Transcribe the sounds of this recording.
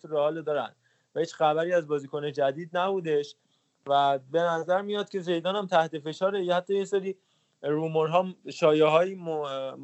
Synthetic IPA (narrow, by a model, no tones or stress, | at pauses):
ɾehɒːlod̪ɒːɾæ̰nd̪̥ | væhiːt͡ʃxæbæɾiːæzbɒːziːkʰoned͡ʒæd̪iːd̪̚næbud̪e̞ʃ | væbe̞næzæɾmijɒːt̪̚ce̞ze̞jd̪ɒːnæmt̪ʰæht̪e̞fe̞ʃɒːɾejhæt̪ʰːɒːjeseɾiː | ɾumoɾɦɒːʃɒːjeɦɒːjim